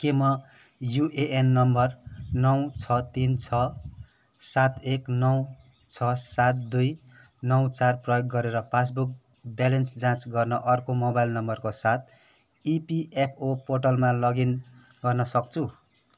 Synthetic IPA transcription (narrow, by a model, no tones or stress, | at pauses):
kemʌ | juʔeʔenːʌmbʌrnʌwt͡sʰʌt̪int͡sʰʌ | sat̪eknʌw | t͡sʰʌsat̪̚d̪uj | nʌwt͡sarprʌjoɡːʌɾeɾʌpʰas̬buk̚ | balʌnsd͡zãt͡sɡʌrnʌʔʌrkomobajlnʌmbʌrkosat̪̚ʰ | ipiʔepʰoporʈʌlmalʌɡin | ɡʌrnʌsʌk̚t͡sʰu